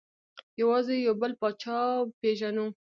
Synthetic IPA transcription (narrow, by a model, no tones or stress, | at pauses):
jawɑzejawbəlpɑt͡ʃɑpeʒanu